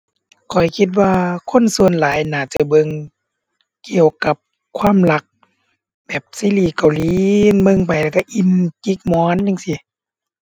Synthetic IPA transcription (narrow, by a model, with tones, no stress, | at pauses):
kʰɔ˨˩jkʰi˧t̪̚waː˧˩kʰo˧˥˨nsu˧˨ənlaː˨˦jnaː˧˩t͡ɕa˧˩bɤ˧˨ŋ | ki˨əwka˧˦p̚ | kʰwaː˧˥˨mla˧˦k̚ | bɛː˨˩p̚siː˧˥˨liː˧˩ka˨wliː˧˦nmɤ˧˨ŋpa˨jlɛ˧˩ka˧˩ʔi˧˥nki˧˦k̚mɔː˧˦˨nt͡ɕa˧ŋsi˧˩